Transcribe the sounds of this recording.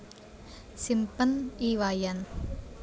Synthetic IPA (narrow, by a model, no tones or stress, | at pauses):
simpəniwajan